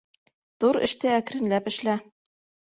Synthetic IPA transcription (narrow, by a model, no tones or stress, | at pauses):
ðuɾɘ̰̆ʃt̪ɘæk̆ɾɘ̆nlæpɘ̆ʃlæ